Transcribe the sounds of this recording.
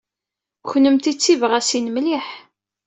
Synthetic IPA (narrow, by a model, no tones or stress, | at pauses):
çnəmt̪it͡sːivʁæsinmliħ